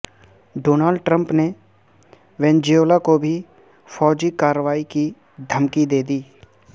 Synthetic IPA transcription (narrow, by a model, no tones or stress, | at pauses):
ɖoːnaːlɖ̚ʈɾə̃mpne | ʋɛ̃ːnd͡ʒioːlakobʱi | fʰɔːd͡ʒikaːɾəʋaːiki | d̪ʱəmkid̪eːd̪iː